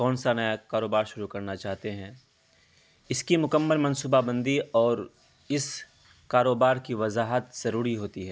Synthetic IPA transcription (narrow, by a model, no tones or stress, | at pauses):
kɔːnsanɐjakaːɾoːbaːɾʃʊɾukɐɾnat͡ʃaːɦt̪eɦɛ̃ | ɪskimʊkəmːəlmɐ̃nsuːbabɐ̃nd̪iʔɔːɾ | ɪs | kaːɾoːbaːɾkiʋɐzaːɦət̪z̥ɐɾuːɾiɦoːt̪iɦɛː